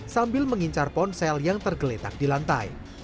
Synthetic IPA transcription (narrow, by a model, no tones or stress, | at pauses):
sambɪlməŋiɲt͡ʃarpɔnsɛljaŋt̪ərɡəlet̪ak̚dilant̪a̰j